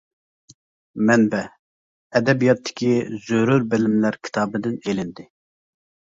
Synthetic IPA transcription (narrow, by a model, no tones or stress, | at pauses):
mɛnbɛ | ɛd̪ɛbijɑt̪ʰːɪ̥kʲʰizøɾuɾbɪlɪmlæɾkʲʰi̥t̪ʰɑːbɨd̪ɪnelɪnd̪ɪ